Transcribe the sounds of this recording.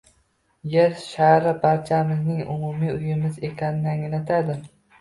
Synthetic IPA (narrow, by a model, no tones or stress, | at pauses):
jeɾʃahɾɪbaɾt͡ʃʰamɪznɪŋʊ̰mumiʊjɪmɪze̞kʲʰanɪnaŋlat̪ʰad̪ɪ